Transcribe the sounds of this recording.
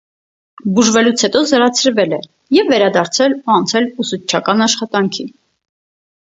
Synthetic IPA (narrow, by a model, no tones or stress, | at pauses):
buʒvɛlut͡sʰhɛt̪ɔzəɾɑt͡sʰəɾvɛlɛ | jɛvːɛɾɑd̪ɑɾt͡sʰɛluɑnt͡sʰɛlusut͡ʃʰːɑkɑnɑʃχɑt̪ɑŋkʰi